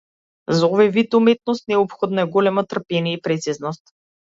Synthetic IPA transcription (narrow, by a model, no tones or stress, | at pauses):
zaɔvajvit̪umɛt̪̚nost̪nɛɔpxɔd̪naɛɡɔlɛmɔt̪r̩pɛniɛipɾɛt̪siznɔst̪